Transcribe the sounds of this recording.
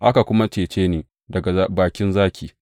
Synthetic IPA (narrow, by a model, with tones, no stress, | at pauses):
ʔa˦ka˨kʷʊ˦ma˦t͡ʃeː˨t͡ʃeː˦neː˨ | dɐ˨ɡa˨a˦baː˨kʲɪ˦nzaː˦kʲiː˨